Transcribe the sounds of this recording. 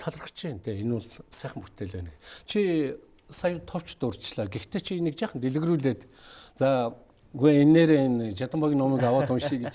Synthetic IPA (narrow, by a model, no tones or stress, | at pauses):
t̪ʰaɮrə̆χt͡ɕʰiːnt̪ʰeenʊɮsæːχə̆mpu̥t̪ʰeːɮwæːnɘ̆kt͡ɕʰi | sajʊt̪ʰɔw̥t͡ɕt̪ʊrt͡ɕɮaːɡext̪ʰeːt͡ɕʰinekt͡ɕaːχə̆nt̪eɮɘ̆ɣruːɮeːt̪ | t͡saː | ɡujenːeːɾeːnt͡ɕat̪ə̆mpaɣinɔmiːkawaːt̪ʊnʃiːɡet͡ɕ